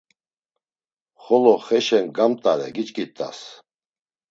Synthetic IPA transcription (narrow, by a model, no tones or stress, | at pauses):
χɔlɔχɛʃɛŋɡamt̪ʼaɾɛ̰ɡit͡ʃʼkʼit̪ʼa̰s